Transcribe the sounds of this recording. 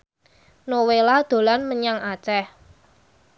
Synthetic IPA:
nowelad̪̥o̤lanməɲaŋat͡ʃɛh

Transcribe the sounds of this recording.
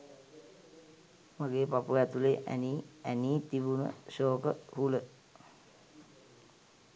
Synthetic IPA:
maɡeːpapuæt̪uleʔæ̰niæniːt̪ibunə̰ʃoːkəhulə

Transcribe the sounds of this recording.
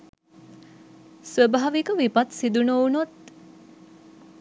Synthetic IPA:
sʋəbaːʋikəʋipɐt̪sid̪unounot̪

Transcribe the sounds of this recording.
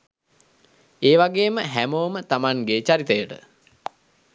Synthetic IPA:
eːʋaɡeːməɦæmoːmət̪amaŋɡeːt͡ʃaɾit̪əjəʈə̰

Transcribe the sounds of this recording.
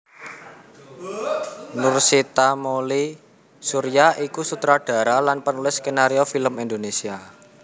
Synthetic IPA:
nʊrsit̪amoli | suɾijaikusut̪ɾaɖ̥a̤ɾalanpənulɪskenaɾiofiləmind̪onesia

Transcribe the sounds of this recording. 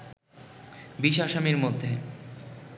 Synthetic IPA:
biʃaʃamiɾmod̪ʱːe

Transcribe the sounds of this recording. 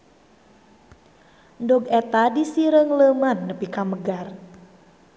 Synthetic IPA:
ndɔɡɛt̪adisiɾəŋləmanːəpikaməɡar

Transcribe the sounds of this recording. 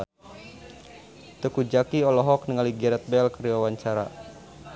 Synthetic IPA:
t̪əkud͡ʒakiɔlɔɦɔk̚nəŋaliɡɛɾɛt̪̚bɛlkəɾiwawaɲt͡ʃaɾa

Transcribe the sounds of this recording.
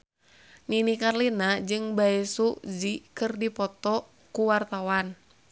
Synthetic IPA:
ninikarlinad͡ʒɨŋbaesuzikɨrdipɔt̪ɔ | kuwart̪awan

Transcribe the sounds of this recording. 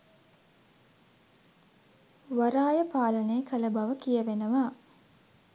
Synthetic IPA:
ʋɐɾaːjəpaːləneːkʰɐləbɐʋəkijəʋenəʋaː

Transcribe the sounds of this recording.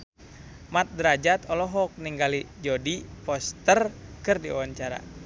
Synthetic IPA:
mat̪̚dɾad͡ʒat̪ɔlɔɦɔk̚niŋɡalid͡ʒɔdipɔst̪ərkɨrdia̰waɲt͡ʃaɾa̰

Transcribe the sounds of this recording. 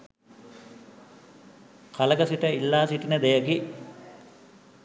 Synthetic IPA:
kʰaləɡəsiʈəilːaːsiʈinəd̪ejəki

